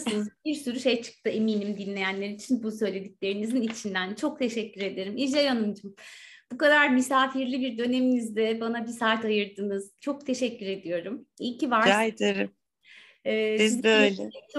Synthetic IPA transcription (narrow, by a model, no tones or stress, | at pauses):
sɯnɯzbiɾsyɾyʃe̞jt͡ʃʰɯ̥k̚t̪ʰɯe̞miːnimd̪inlʲe̞jænlːʲe̞ɾiit͡ʃʰinbusø̞jlʲe̞d̪icʲlʲe̞ɾinizinit͡ʃʰind̪ænt͡ʃʰo̞k̚t̪ʰe̞ʃɛcːyɾe̞d̪e̞ɾimid͡ʒajanumd͡ʒumb̥ukad̪aɾmysaːfiɾlʲibiɾd̪ø̞ne̞minizd̪ɛbanabisaːt̪ajɯɾd̪ɯːnɯz̥t͡ʃʰo̞k̚t̪ʰe̞ʃɛcːyɾe̞d̪ijo̞ɾumicivaɾaed̪eɾim | ɛːizøjlʲɛt͡ʃ